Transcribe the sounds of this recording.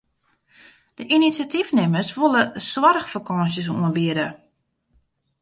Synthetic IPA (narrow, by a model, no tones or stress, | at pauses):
d̥əʔinitsjatifnɪməsʋolˠəswarxfərkɔnsəsṵənbiəɾə